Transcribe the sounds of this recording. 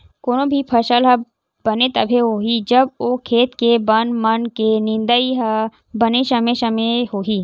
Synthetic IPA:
koːnobʱipʰɐʃəlɦɐ | bɐnet̪ɐbʱeɦoːɦid͡ʒɐboːkʰːeːt̪kebɐnmɐnkenɪ̃nd̪əiɦ | bɐneʃɐmeʃɐmeɦoːɦiː

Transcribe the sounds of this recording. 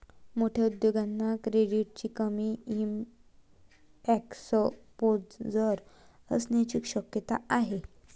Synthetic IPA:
moʈʰjaud̪joɡanːakɾeɽiuʈ̚t͡ɕiːkəmiːim | ɛksopoɾt͡sd͡zəɾ | ə̰snet͡ɕikɕəkjət̪a̰aɦe

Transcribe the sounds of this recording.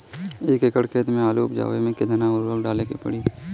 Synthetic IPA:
eːkɪkəɽkʰeːt̪mẽaːluʊpd͡ʒa̰ːʋemẽkɪd̪naʊɾoːlɖaːlekepə̰ɽiː

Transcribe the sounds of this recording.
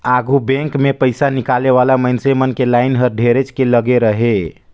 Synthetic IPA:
aɡʱubɛ̃ŋkmepəɪsanikaleβalamənsemənkelajnɦəɾɖʱeɾet͡ʃkeləɡeɾəɦe

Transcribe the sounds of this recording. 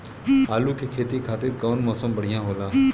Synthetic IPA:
haːluːkʰekʰeːt̪ikʰaːt̪ɪɾkəʋnmɔːsəmbəɽ̤ɪjãːɦoːlaː

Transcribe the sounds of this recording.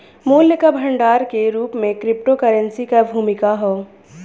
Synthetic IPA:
muːljəkabʱɐ̃ɳɖaːɾkeɾuːpmẽkɾɪp̚ʈokəɾənsikabʱuːmɪkaɦoː

